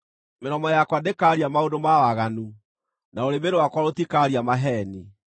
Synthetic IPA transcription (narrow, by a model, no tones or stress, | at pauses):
meɾɔmɔjakwadekaɾiamaondomawaɣanu | naoɾemeɾowakwaɾotikaɾiamaɦɛni